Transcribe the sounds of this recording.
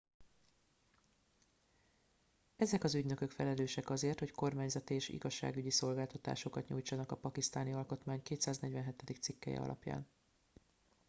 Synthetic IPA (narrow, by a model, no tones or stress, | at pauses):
ɛzɛkɒzyɟnø̞køkfɛlɛløːʃɛkɒzeːrt̪ho̞cko̞rmaːɲzɒt̪ieːʃḭɡɒʃːa̰ːɡyɟiso̞lɡaːlt̪ɒt̪a̰ːʃo̞kɒt̪ɲṵːjt͡ʃɒnɒkɒpɒkist̪aːniɒlko̞t̪maːɲkeːt̪saːznɛɟvɛnɦɛt̪ɛd̪ikt̪sikːɛ̰jɛ̰ɒ̰lɒ̰pja̰ːn